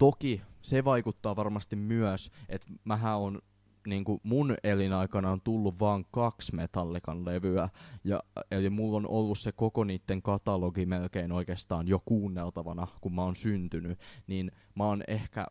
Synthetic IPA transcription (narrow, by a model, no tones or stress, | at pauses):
t̪okiseʋɑikut̪ːɑːʋɑrmɑst̪immyœset̪mæɦæon | niːŋkumunelinɑikɑnɑont̪ulːuʋʋɑːŋkɑksmet̪ɑlːikɑnleʋyæjɑ̰emulːonʔolːussekokoniːt̪ːeŋkɑt̪ɑloɡimelkeinoikeːst̪ɑːnjokuːnːelt̪ɑʋɑnɑkummæonsynt̪ynyniːn | mæonehkæ̰